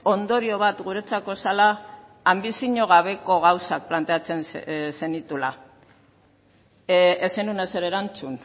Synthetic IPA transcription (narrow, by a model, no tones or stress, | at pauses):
o̞nd̪o̞ɾio̞βat̪ɣuɾe̞t͡sako̞salaː | mbisiɲo̞ɣ̞aβ̞e̞ko̞ɣawsak̚plant̪e̞at͡se̞nsse̞nit̪ula | esenunese̞ɾe̞ɾant͡sun